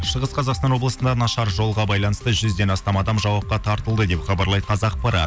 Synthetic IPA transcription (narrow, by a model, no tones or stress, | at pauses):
ʃəʁəsqʰɑzɑqst̪ɑnwo̞blˠəsənd̪ɑnɑʃɑɾʒo̞lˠʁɑbɑjlˠɑnəst̪əʒʏzd̪e̞nɑst̪ɑmɑd̪ɑmʒɑwɑp̚qɑt̪ʰɑɾt̪əlˠd̪əd̪e̞pχɑbɑɾlˠɑjt̪əqʰɑzɑqpɑɾɑ̰t̪